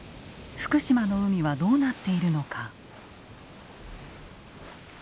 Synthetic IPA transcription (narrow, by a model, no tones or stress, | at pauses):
ɸɯ̟̥kɯ̟ɕimano̞ɯ̟mʲiβad̪o̞ːnat̪ːe̞iɾɯ̟no̞kʰa